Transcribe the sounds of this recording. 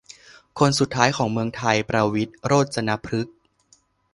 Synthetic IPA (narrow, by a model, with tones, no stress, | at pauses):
kʰo˧nsu˨˩t̪ʰːaː˦˥jkʰɔː˩˦ŋmɯ˧əŋt̪ʰa˧jpɾa˧wi˦˥t̪̚ɾoː˥˩t̪̚sa˧na˦˥pʰɾɯ˦˥k̚